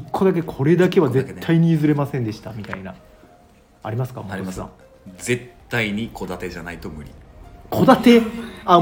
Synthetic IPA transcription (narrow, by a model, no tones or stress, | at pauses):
ikʰːo̞d̪ak̬e̞kʰo̞ɾe̞d̪ake̞βazet̪ʰːaiɲ̟iizɨɾe̞masẽnd̪e̞ɕi̥t̪amʲit̪aina̰ | a̰ɾʲimasɨ̥ka̰mosã̰ | ze̞t̪ːaiɲ̟ikʰo̞d̪at̪e̞ʑanait̪omɯ̟ɾʲḭkʰo̞d̪at̪e̞a